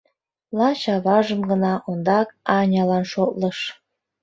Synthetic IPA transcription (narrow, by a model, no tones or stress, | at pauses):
lɑɕɑβɑʒəmɡə̆nɑʔond̪ɑkɑnʲɑlɑnʃot̪lɤʃ